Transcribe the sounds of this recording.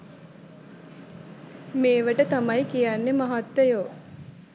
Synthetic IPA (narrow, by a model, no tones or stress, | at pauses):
meːʋəʈət̪amajkijanːemaɦat̪ːəjo